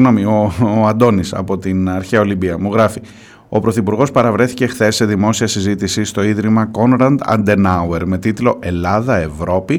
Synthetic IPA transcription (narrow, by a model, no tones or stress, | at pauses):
ɣno̞mio̞ɐnd̪o̞nisɐ̰po̞t̪inɐɾçeɐo̞limbiɐmuɣɾɐfi | o̞pɾo̞θipuɾɣo̞spɐɾɐvɾe̞θice̞xθe̞sːe̞ðimo̞siɐsizit̪isist̪o̞iðɾimɐko̞nɾɐnd̪ɐ̰nd̪e̞nɐwe̞ɾme̞t̪it̪lo̞ʔe̞lɐðɐe̞vɾo̞pi